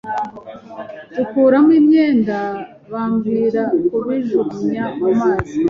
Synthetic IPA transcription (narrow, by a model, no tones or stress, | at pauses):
ukuːɾamwiːmɲeːnda | βaːmɡiːɾakuɾiʒuɾumɲakamaːzi